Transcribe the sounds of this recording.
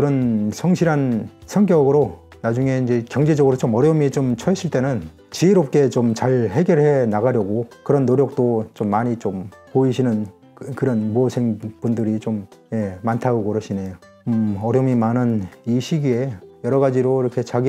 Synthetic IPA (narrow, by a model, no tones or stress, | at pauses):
kɯɾʌnsʰʌŋɕʰiɾɦansʰʌŋkjʌɡɯɾonad͡ʑuŋe̞ind͡ʑe̞kjʌŋd͡ʑe̞d͡ʑʌɡɯɾot͡ɕomʌɾjʌmit͡ɕomt͡ɕʰʌeɕ͈ʰiɭt͈e̞nɯn | t͡ɕiːɾop̚k͈e̞t͡ɕomt͡ɕaɭhe̞ɡjʌɾɭhe̞naɣaɾjʌɡokɯɾʌnːoɾjʌk̚t͈ot͡ɕomːaɲit͡ɕompoiɕʰinɯn | kkɯɾʌnmuʌsʰeŋpundɯɾit͡ɕomje̞mantʰaɡokʌɾɯɕʰine̞jo | ʌɾjʌmimanɯniɕʰiɡiejʌɾʌɣad͡ʑiɾoiɾʌkʰe̞t͡ɕaɡi